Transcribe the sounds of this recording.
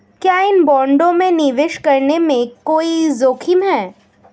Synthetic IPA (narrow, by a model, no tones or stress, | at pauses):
kjaːɪnbɔ̃ːɳɖõmẽnɪʋɪʃkɐɾnemẽkoːizoːkʰɪmɦɛː